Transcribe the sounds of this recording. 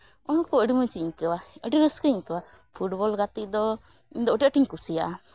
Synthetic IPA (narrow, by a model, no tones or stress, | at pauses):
ɔnɔkɔəɖiməɲt͡ʃiɲkəwaəɖiɾəskəiɲkəwa | pʰuʈbɔlɡat̪iʔd̪ɔ | iɲd̪ɔuʈɛəʈiɲkusija̰ʔ